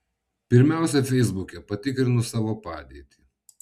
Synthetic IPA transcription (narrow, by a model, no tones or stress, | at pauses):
pʲɪɾʲmʲæˑʊsʲɛfʲɛɪzbʊkʲɛpɐt̪ʲɪkɾʲɪnʊsɑːʋoːpɑːd̪ʲiːt̪ʲiː